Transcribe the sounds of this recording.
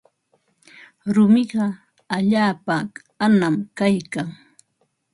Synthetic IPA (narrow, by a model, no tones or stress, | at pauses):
ɾʊmɪɢɑ | aʎaːpa | anamkajkaŋ